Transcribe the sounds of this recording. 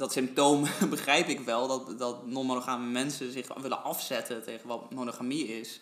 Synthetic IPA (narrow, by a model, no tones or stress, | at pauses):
dɔtsɪmp̚toːmbəχrɛjpɪkʋɛlˠdɔtdɔtnomonoχaːməmɛnsəzɪχʋɪlə̰nɑfsɛtʰəteɣənʋɔtmonoχamiɪs